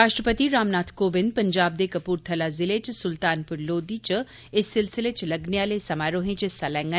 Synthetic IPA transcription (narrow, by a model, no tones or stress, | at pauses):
ɾaːʃʈɾəpət̪iɾaːmnaːt̪ʰkoːbɪnd̪̚pɐɲd͡ʒaːb̚d̪eːkɐpuːɾt̪ʰɐlaːzɪleːt͡ʃsʊlt̪aːnpʊɾloːd̪iːt͡ʃ | ɪsːɪlsɪleːt͡ʃlɐɡneaːlesɐmaːɾoːɦẽːt͡ʃɪsalɛ̃ːŋɡə